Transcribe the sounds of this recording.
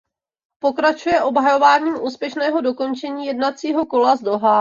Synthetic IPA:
po̞kɾat͡ʃujɛʔo̞bɦajo̞vaːɲiːmʔuːspjɛʃnɛːɦo̞do̞ko̞nt͡ʃɛɲiːjɛdnat͡siːɦo̞ko̞lazdoɦa

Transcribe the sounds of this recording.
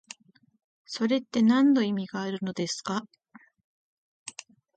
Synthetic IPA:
so̞ɾe̞t̪ːe̞nãnːo̞imʲiɡaːɾɯ̟no̞d̪e̞sɨ̥ka

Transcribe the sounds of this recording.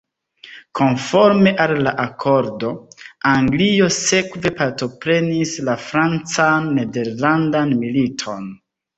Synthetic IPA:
kʰo̞nfo̞ɾme̞ʔalːaʔakʰo̞ɾdo̞aŋɡlio̞se̞kve̞paɾto̞pɾe̞nislafɾant͡sanːe̞de̞ɾlandanmilitʰo̞n

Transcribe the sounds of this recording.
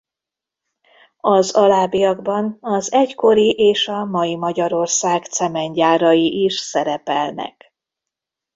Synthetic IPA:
ɒzɒlaːbijɒɡbɒnɒzɛcko̞ɾiʔeːʃɒmɒjimɒɟɒɾo̞rsaːɡt̪sɛmɛɲɟaːɾɒjiʔiʃsɛɾɛpɛlnɛ̰k

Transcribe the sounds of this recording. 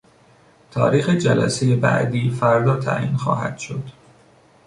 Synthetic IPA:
t̪ʰɒ̰ːɾiːxed͡ʒælæ̰sejebæ̰ʔd̪iːfæɾd̪ɒːt̪ʰæ̰ʔḭːnxɒ̰ːɦæ̰d̪̥ʃo̞d̪̥

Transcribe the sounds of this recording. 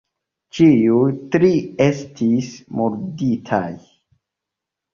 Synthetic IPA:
t͡ʃiujtɾie̞stismuɾditʰa̰j

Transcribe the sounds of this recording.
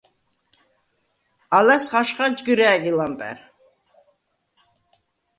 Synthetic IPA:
alasχaʃχad͡ʒɡɨɾæːɡilampʼɛ̰ɾ

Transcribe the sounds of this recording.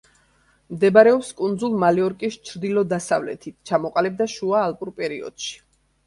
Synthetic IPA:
md̪ɛbaɾɛɔpskʼund̪zulˠmaliɔɾkʼist͡ʃʰɾd̪ilɔd̪asavlɛ̰t̪ʰit̪̚ʰt͡ʃʰamɔqʼalɛb̚d̪aʃuaːlˠpʼuɾpʼɛɾiɔ̰d̪̥ʃi̥

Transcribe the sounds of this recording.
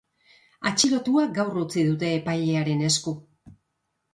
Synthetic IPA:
a̰t͡ʃiɾo̞t̪uaɡawrut͡siðut̪̬e̞ːpajʎe̞aɾe̞ne̞sku

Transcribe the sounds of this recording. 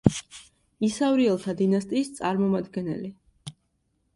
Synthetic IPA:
isavɾiɛlˠt̪ʰad̪inast̪ʼiːst̪sʼaɾmɔmad̪ɡɛnɛ̰li

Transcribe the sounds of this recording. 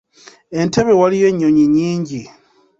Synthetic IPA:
e̞ntʰe̞βe̞walije̞ɲːo̞ɲiɲiːɲɟi

